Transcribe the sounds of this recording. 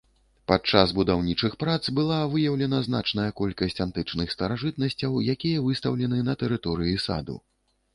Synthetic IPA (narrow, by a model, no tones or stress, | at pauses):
pat͡ʂaszbud̪awnʲit͡ʂɨxpɾat̪sbɨlˠavɨjɐwlʲɛnɐzna̰t͡ʂnɐjɐkɔlʲkɐsʲt͡sʲant̪ɨt͡ʂnɨxst̪ɐɾaʐɨt̪̚nɐsʲt͡sʲɐwjakʲijɐvɨst̪ɐ̰wlʲɛnɨnɐt̪ɛɾɨt̪ɔɾɨjisa̰d̪ṵ